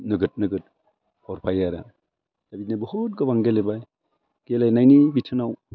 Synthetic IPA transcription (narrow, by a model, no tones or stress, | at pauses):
nɯɡɯt̚nɯɡɯt̚ | hɔɾpʰajaɾa̰ | d̥abitnabɔhut̚ɡɯbaŋɡelebaj | ɡ̥elajnajnibitʰɯnaw